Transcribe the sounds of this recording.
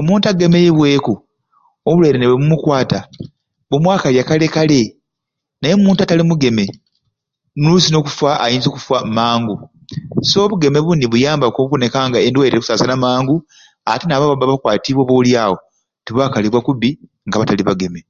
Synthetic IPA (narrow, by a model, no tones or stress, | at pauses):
omuːntaɡe̞mejeβwe̞ːku | oβuleɾeneβwemumukwaːta | βumwaːkaljakale̞kale̞ | najemuːntatalimuɡe̞me̞ | nusino̞ːku̥faʔajiːnzoku̥famaːŋɡu | so̞βuɡe̞me̞βuniβujaːmbakoβukone̞kaŋɡaendwaiɾekusaːsanamaːŋɡu | a̰tenaβaβabaβakwaːtiβwoβoljaːwo̞ | tiβwaːkaliβwakuβi | ŋɡaβataliβaɡe̞me̞